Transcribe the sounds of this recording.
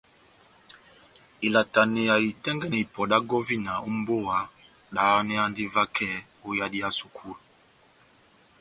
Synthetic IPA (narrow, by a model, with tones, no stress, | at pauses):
i˨la˨ta˨ne˨ja˨i˨tɛ˦ŋɡɛ˦n˨i˨pɔ˨da˦ɡɔ˦vi˦na˨o˦m˦bo˦˨a˨˦ | ɗa˨˦nɛ˦a˦ndi˦va˦kʰɛ˦ | o˦ja˦di˦a˦su˨kʰu˦˨lu˨